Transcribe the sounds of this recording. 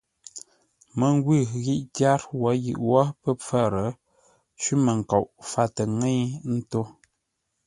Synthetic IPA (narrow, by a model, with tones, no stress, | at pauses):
mə˨ŋ˦ɡwʉ˦˨ɣi˦ʔtja˦ɾwɔ˨˦jḭ˨ʔwɔ˦pə˦p͡fə˦˨ɾə˨˦ | t͡ʃɥʉ˦mə˨ŋ̩˨ka˨ʔfa˦tə˨ŋe˦jn̩˦to˦